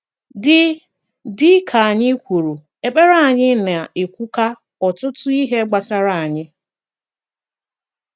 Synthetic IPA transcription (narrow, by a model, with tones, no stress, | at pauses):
dɪ˦ | dɪ˦kʰa˨a˨ɲɪ˦kʷu˨ɾu˨ | e˨k͡pe˦ɾa˦˨a˨ɲɪ˦na˨ʔe˨kʷu˦ka˦ | ɔ˨tʊ˦tʊ˦i˦ɦe˦ɡ͡ba˨sa˦ɾa˦˨a˨ɲɪ˦